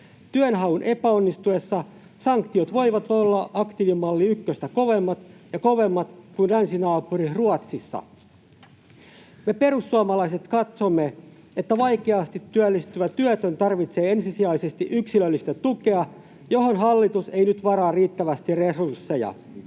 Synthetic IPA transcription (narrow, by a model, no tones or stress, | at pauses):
t̪yønɦɑwunʔepæonːist̪ue̞sːɑ | sɑŋkt̪iot̪ʋo̞iʋɑt̪olːɑʔɑkt̪iʋimːɑlːiykːøst̪æko̞ʋe̞mːɑt̪jɑko̞ʋe̞mːɑt̪kunlænsinɑːpuriruɑt̪sisːɑ̰ | me̞pe̞ɾusːuɑmɑlɑise̞t̪kɑt̪somːe | et̪ːæʋɑjkeɑst̪it̪ːyølːist̪yʋæt̪ːyøt̪ønt̪ɑrʋit̪se̞ːensisiɑisest̪iʔyksilølːist̪æt̪uke̞ɑ | jo̞ɦonɦɑlːit̪use̞ijnyt̪ʋɑɾɑːriːt̪ːæʋæst̪iresursːejɑ̰